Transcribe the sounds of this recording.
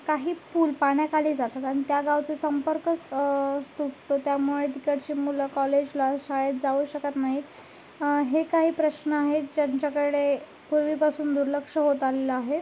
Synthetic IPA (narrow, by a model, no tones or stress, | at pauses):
kaɦiːpuːlpaɳjakaliːd͡zat̪at̪aɽ̃it̪jaɡaʋt͡sesəmpəɾkəst̪uʈt̪ot̪jamuɭed̪ikəɽt͡ɕiːmuləkɔled͡ʑlasaɭet̪̚d͡zauːɕəkat̪naɦiːt̪ | ɦekaɦiːpɾəɕnəaɦed͡ʑaɲt͡ɕjakəɽe | puɾʋiːpasuːnd̪uɾləkʂəɦot̪aleləaɦe